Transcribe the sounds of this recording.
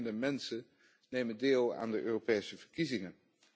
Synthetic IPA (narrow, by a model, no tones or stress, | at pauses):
ndəmɛnsən | nejməndeːlˠa̰ːndəʔøːropejsəv̥əɹkizɪŋən